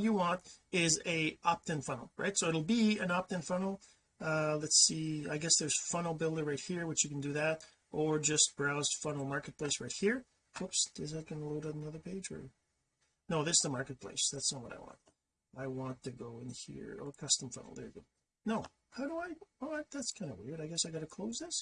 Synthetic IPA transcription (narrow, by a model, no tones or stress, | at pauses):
t͡ʃɨwɑ̃ntɪzɨʔɑp̚tɨ̃nfʌ̃nl̩ˠɹa̰ɪtsoʊɨɾl̩ˠbiɨ̃nɑp̚tɨ̃nfʌ̃nl̩ˠ | ʌlɛtsia̰ɪɡɛsðə˞z̥fʌ̃nl̩ˠbɪlˠdə˞ɹaɪt̚hiɹwɨt͡ʃjɨkn̩dɨðæɾ | ʔə˞d͡ʒʌst̚b̥ɹaʊz̥fʌ̃nl̩ˠmɑɹkɨt̚pʰl̥eɪsɹaɪt̚hiɹ | kʰʊpsɪzðɨt̚ɡ̥ʌnəloʊɾʌnənʌðə˞pʰeɪd͡ʒə̰˞ | noʊðɨsðəmɑɹkɨt̚pʰl̥ḛɪsðætsnɑt̚wʌ̰ɾaɪwɑ̰̃nt̚ | aɪwɑ̃ntʰɨɡoʊɨ̰̃nhḭɹə̰kʰʌstə̃ɱfʌ̰̃nl̩ˠðə̰˞ɡʊd̚ | noʊ | haʊɾəaɪoʊaðætskʰãɪ̃ndəwɪ̰ɹɾaɪɡɛsaɪɡɑɾɨkʰl̥oʊzðɪs